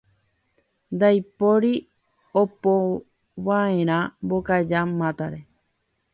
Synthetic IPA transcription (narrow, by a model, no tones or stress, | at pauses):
nd̪ajpoɾi | opo | ʋaẽɾ̃ãmbokad͡ʒamãt̪aɾe